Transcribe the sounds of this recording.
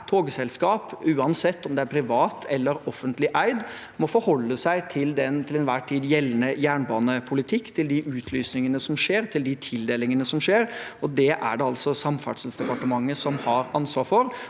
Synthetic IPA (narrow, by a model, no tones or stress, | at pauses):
t̪ʰːoːɡəsɛlskɑːpʉːɑnsɛt̪ːɔmd̪ɛæɾpʰɾɪʋɑːt̪ʰɛlːəɾɔfːənt̪ʰlɪʔæɪd̪ | mɔfɔɾhɔlːəsæɪt̪ʰɪld̪ɛnt̪ʰɪlɛnʋæːʈʰiːd̪jɛlːənəjæːɳbɑːnəpʰʊlɪt̪ʰɪkːt̪ʰɪld̪ɪʔʉːt̪ʰlyːsnɪŋənəsɔmʂeːɾt̪ʰɪld̪ɪt̪ʰɪld̪eːlɪŋənəsɔmʂeːɾɔd̪ɛʔæ̰ɖɛɑlsɔsɑmfɑ̰ʈʂəlsd̪ɛpɑʈəmɑŋːəsɔmhɑɾɑnsʋɑːɾfɔɾ